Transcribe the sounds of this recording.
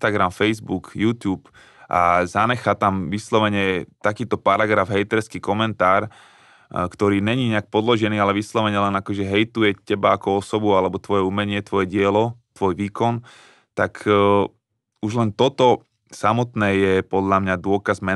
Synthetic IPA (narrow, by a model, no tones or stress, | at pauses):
t̪aɡɾamfɛjzbukjuːt̪juːp | ʔa̰zanɛxat̪amʋislɔʋɛɲɛt̪akiːt̪ɔpaɾaɡɾavɦɛjt̪ɛɾskiːkɔmɛnt̪aːɾ | kt̪ɔɾiːɲɛɲiːɲɛak̚pɔd̪lɔʒɛniːalɛʋislɔʋɛɲɛlɛnakɔʒɛɦɛjt̪ujɛcɛbaakɔɔsɔbualɛbɔt̪ʋɔjɛumɛɲɪɛt̪ʋɔjɛɟɪɛlɔt̪ʋɔjʋiːkɔn | t̪akʰ | uʒlɛnt̪ɔt̪ɔ | samɔt̪nɛːjɛpɔd̪ʎamɲad̪ʊɔkazmɛ